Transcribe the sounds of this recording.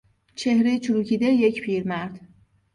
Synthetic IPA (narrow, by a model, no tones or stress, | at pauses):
t͡ʃʰe̞hɾejt͡ʃʰuɾuːcʰiːd̪ejecpʰiːɾmæɾd̪̥